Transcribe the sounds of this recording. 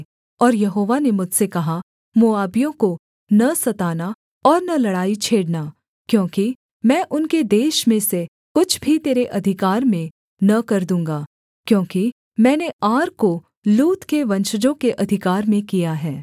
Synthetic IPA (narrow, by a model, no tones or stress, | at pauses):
ɔːɾjɐɦoːʋanemʊd͡ʒʱsekɐɦa | moaːbijõko | nɐsɐt̪aːna | ɔːɾnɐlɐɽaːit͡ʃʰeːɽna | kjõːki | mɛ̃ːʔʊnked̪eːʃmẽse | kʊt͡ʃʰbʱit̪eːɾeʔɐd̪ʱɪkaːɾmẽ | nɐkɐɾd̪ũːŋɡaː | kjõːki | mɛ̃ːneaːɾko | luːt̪keʋɐ̃nʃəd͡ʒõkeʔɐd̪ʱɪkaːɾmẽkijaɦɛː